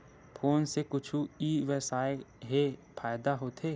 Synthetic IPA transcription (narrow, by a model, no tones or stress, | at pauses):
pʰoːnsekʊt͡ʃʰuiːʋɛsaːɪɦepʰaːɪd̪aɦoːt̪ʰeː